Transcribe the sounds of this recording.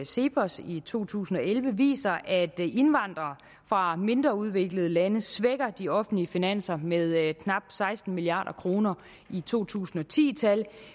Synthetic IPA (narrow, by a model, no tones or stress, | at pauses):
se̝pʰɒsit͡sʰo̝̰ːt͡sʰṵːsn̩ɒ̽elʋəʋḭːsɐʔæd̥e̝nʋɑ̈n̰d̥ʁɐː | fʁɑ̈me̝nd̥ʁɐuð̞ˠʋe̝ɡ̥ləð̞ˠəlænəsʋeɡ̥ɐd̥iɒ̽fn̩dliəfinæn̰sɐmeð̞ˠkʰnɑ̈b̥sɑ̈ɪsd̥n̩miliɑ̰̈ːɾɐkʰʁo̝ːnɐ | it͡sʰo̝̰ːt͡sʰṵːsn̩ɒ̽t͡sʰḭːt͡sʰæl